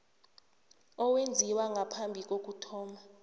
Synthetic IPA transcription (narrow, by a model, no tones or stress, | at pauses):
ɔwend͡zʱiwaŋɡʱapʰambʱik̬ʼok̬ʼutʰɔːma